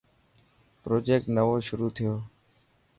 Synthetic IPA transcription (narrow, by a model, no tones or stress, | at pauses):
pɾoːd͡ʒeːk̚ʈnəʋoːʃʊɾuːt̪ʰɪjoː